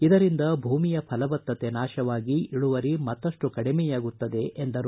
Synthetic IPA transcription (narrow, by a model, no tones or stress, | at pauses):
id̪ɐɾind̪ɐbʱuːmijɐpʰɐlɐbɐt̪ːɐt̪e̞naːʃɐʋaːɡiiɭuʋɐɾimɐt̪ːɐʂʈukɐɽimɛjaːɡut̪ːɐd̪e̞ʔend̪ɐɾu